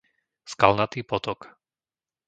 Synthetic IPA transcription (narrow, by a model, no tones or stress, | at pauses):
skalnat̪iːpɔt̪ɔk